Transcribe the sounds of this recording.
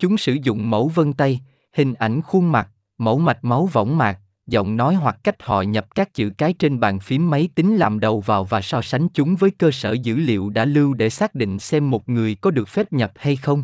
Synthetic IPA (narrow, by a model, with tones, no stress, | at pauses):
t͡ɕʊ˨˦ŋ͡msɨ̰˧˩zʊ̰˧˨ŋ͡mmə̰˧˩wvə˧nt̪a˧j | hï˨˩ŋ̟ʔa˧˩jŋ̟xu˧nma˨˩t̚ | mə̰˧˩wma˨˩t̚ma˨˦wvə̰˧˥wŋ͡mmaː˨˩k̚ | zɔ̰˧˨wŋ͡mnɔ˨˦jɦwa˨˩k̚ka˦˥jk̟̚hɔ̰˧˨ɲə˨˩p̚kaː˦˥k̚t͡ɕɨ̰˧˨kaː˨˦jt͡ɕe˧nɓaː˨˩nfi˨˦əmːə˨˦jt̪ï˨˦ŋ̟laː˨˩mɗə˨˩wvaː˨˩wvaː˨˩sɔ˧sa˨˦jŋ̟t͡ɕʊ˨˦ŋ͡mvəː˨˦jkəː˧sə̰ː˧˩zɨ̰˧˥lḭ˧˨əwɗa̰ː˧˥lɨ˧wɗe˧˩saː˦˥k̚ɗḭ˧˨ŋ̟sɛ˧mːo˨˩t̚ŋɨ˨˩əjkɔ˨˦ɗɨ˨˩ək̚fɛ˦˥p̚ɲə˨˩p̚ha˧jxə˧wŋ͡m